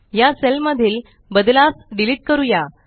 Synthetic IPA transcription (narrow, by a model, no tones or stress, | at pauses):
jaselməd̪ʱiːl | bəd̪lasɖiliːʈ̚kəɾuja